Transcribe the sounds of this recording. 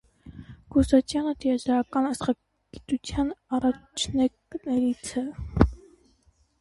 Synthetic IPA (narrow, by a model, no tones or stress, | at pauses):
ɡ̥ɔsɑt͡ʃʰjɑnət̪ʰijɑd͡ʒɑɾɑkɑnɑsχɑ | ɡ̥it̪ut͡sʰjɑnɑrɑt͡ʃʰnɛknɛɾit͡sʰɛ